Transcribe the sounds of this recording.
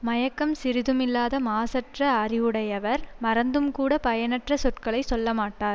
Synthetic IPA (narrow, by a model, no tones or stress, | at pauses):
mɐjɐkːɐmsɪɾɪðɯmɪlːaːðɐmaːsɐʈrɐɐɾɪʋɯɽɐjɐʋɐɾmɐɾɐnd̪ɯmkuːɽɐpɐjɐnɐʈrɐsɔʈkɐɭɐɪsɔlːɐmaːʈːaːɾ